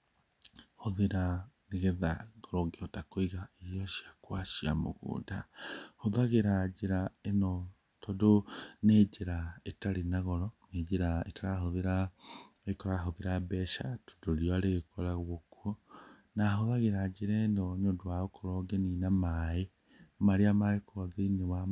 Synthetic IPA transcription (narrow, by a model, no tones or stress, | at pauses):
hoðeɾaneɣeðaɣɔɾɔɡeɔtakoiɣaiɾjɔʃiakwaʃia̰mo̰ɣṵːndahoðaɣeɾad͡ʒeɾaenɔ | tɔdoneːd͡ʒeɾaetaɾenaɣɔɾɔned͡ʒeɾaetaɾaɦoðeɾa | ekɔɾaɦoðeɾabɛʃato̥doɾijɔaɾeɣkɔɾaɣwokuonaɦoðaɣeɾad͡ʒeɾɛnɔɲodoaokoɾɔɡeninamae | maɾeamaekwɔðeinewa